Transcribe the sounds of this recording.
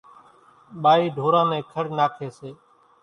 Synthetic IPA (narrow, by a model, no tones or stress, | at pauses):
ɓaːiːɖʱoːɾãːnẽːkʰəɽnaːkʰeːseː